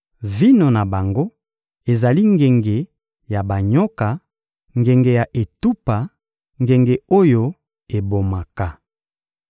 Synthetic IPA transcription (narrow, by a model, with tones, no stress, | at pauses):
vi˦no˨na˨ba˨ŋɡo˦ | e˨za˨li˦ŋɡe˨ŋɡe˨ | ja˨ba˨ɲɔ˦ka˨ | ŋɡe˨ŋɡe˨ja˨ʔe˨tu˦pa˨ | ŋɡe˨ŋɡe˨o˦jo˦ | e˨bo˨ma˨ka˦